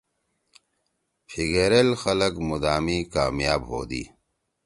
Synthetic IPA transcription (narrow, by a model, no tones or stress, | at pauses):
fiɡeːɾelxɐlɐkmud̪aːmiːkaːmjaːbɦo̰ːd̪ḭː